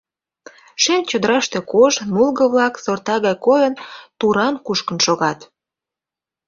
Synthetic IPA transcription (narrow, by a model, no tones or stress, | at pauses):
ʃent͡ɕod̪əɾɑʃt̪e̽koʒmulɣɤ̆βlɑksort̪ɑɣɑjkojənt̪uɾɑnkuʃkə̆nʃoɣɑt̪